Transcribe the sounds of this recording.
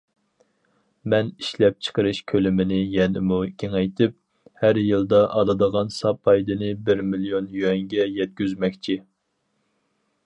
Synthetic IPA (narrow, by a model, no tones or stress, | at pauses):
mɛniʃlɛp̚t͡ʃʰə̥qəɾɨʃkʲʰølɪmɪnɪjɛnɪmukʲʰeŋɛjt̪ʰɨp̚ | hæɾjɨlˠd̪ɑʔɑd̪ɨd̪əʁɑnsɑpʰɑjd̪ɨnɨbɪɾmilijonjyɛŋɡʲɛjɛt̪̚ɡʲyzmɛkʲt͡ʃʰi